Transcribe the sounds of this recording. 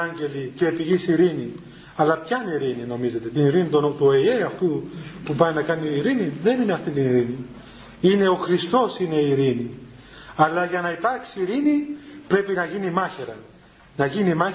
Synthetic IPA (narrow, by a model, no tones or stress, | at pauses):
ɐɲɟe̞liceːpiʝisiɾini | ɐlɐpçɐniɾinino̞mize̞t̪e̞t̪iniɾinit̪oot̪uieɐft̪upupɐninɐkɐniːɾiniðe̞nineɐft̪int̪iniɾini | ine̞o̞xɾist̪o̞sine̞iɾini | ɐlɐʝɐnɐit̪ɐɾçsiiɾinipɾe̞pinɐʝinimɐçeɾɐ | nɐʝinimɐ